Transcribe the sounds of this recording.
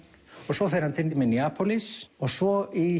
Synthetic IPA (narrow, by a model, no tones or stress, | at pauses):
ɔɣsɔfɛɾhant̪ʰɪnimɛniaːpʰɔlisɔɣsɔi